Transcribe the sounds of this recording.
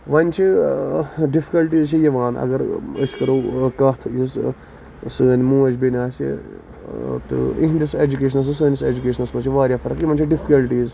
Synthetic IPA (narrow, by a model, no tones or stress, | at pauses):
ʋɐnʲt͡ʃʰi | ɖifʰi̥kɐlʈiːzt͡ʃʰijiʋaːnɐ̰ɡɐɾə̰sʲkɐɾoːkɐɦt̪ʰjis | səːnmũːɐt͡ʃʰbinʲaːsḭ | t̪ɨ̰ḭɦd̪ised͡ʒukeːʃɐnɐs̬ɨs̬əːnʲiseːd͡ʒukʲeːʃɐnɐsmɐt͡ʃʰiʋaːɾʲjaːfʰɐɾɐkjiʋɐnʲt͡ʃʰiɖifʰi̥kɐlʈiːz